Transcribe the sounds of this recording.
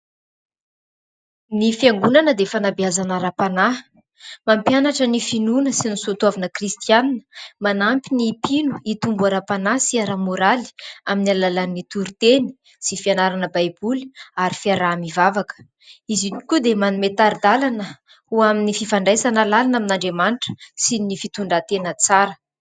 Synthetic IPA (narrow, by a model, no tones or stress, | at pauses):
nifiaŋɡunanəd̪efanabiazanaɾapana | mampjanaʈ͡ʂənifinunəsinisut̪uavanəkrist̪ianinə̥manampinipinuit̪umbuaɾapanasiaɾamoɾali̥aminalalanːit̪uɾit̪eni̥ | sifianaɾanəbajbuli̥aɾifiaɾaːmivavakə̥ | iziikud̪emanumet̪aɾid̪alanə | huaminififaɳɖ͡ʐajsanalalanaminaɳɖ͡ʐemanʈ͡ʂə̥sinifit̪uɳɖ͡ʐat̪enət͡saɾə